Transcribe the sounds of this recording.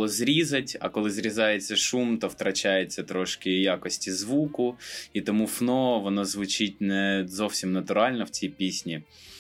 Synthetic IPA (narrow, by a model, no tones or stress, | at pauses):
ɔzɾʲizɐtʲɐ̰kɔlˠɪzɾʲizɑjet͡sʲːɐʃumt̪ɔwt̪ɾɐt͡ʃajet͡sʲːɐt̪ɾɔʃkɪjakɔsʲtʲizʋukʊit̪ɔmufnɔʋɔnɔzʋʊt͡ʃɪt̚ʲnɛzɔwsʲimnɐt̪ʊɾɑlʲnɔw̥t͡sʲijpʲisʲnʲi